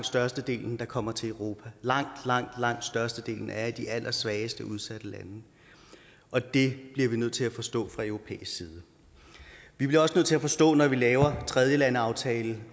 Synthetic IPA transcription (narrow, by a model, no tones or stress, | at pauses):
d̥sd̥ɶɐsd̥əd̥e̝̰ːln̩d̥ɑ̈kʰɒ̽m̰ɐt͡sʰe̝ləʊʁo̝ːpʰælɑ̈ŋ̰d̥lɑ̈ŋ̰d̥lɑ̈ŋ̰d̥sd̥ɶɐsd̥əd̥e̝̰ːln̩æɐid̥iʔæl̰ʔɐsʋɛːəsd̥əʔuð̞ˠsæd̥əlæ̰nə | ʔɒ̽d̥e̝b̥liɐʋinøð̰ˠt͡sʰelæfɒ̽sd̥ɔ̰̽ːfʁɑ̈øʊʁo̝pʰḛːisɡ̥siːð̞ˠə | ʋib̥liɐɒsənøð̰ˠt͡sʰe̝æfɒ̽sd̥ɔ̰̽ːnɒʋilɛːʊɐt͡sʰʁɛð̞ˠjəlænəɑ̈ʊt͡sʰɛːl̩